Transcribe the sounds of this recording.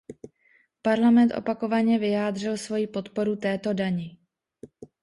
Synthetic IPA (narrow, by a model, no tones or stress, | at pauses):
paɾlamɛnt̪ʔo̞̰pako̞vaɲɛvɪjaːd̪r̝ɪlsvo̞jipo̞t̪po̞ɾut̪ɛːt̪o̞daɲɪ